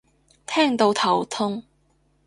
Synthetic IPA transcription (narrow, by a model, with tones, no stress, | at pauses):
t̪ʰɛː˥˩ŋt̪o˧˥wt̪ʰɐ˨˩wt̪ʰʊ˥ŋ